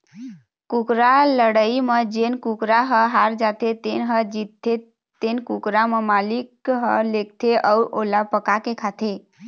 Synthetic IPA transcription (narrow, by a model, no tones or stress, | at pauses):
kukɾaləɽəiməd͡ʒenkukɾaɦəɦaɾd͡ʒat̪ʰet̪enɦəd͡ʒit̪e | t̪enkukɾaməmalikɦəlek̚t̪ʰeʔəuʔolapəkakekʰat̪ʰe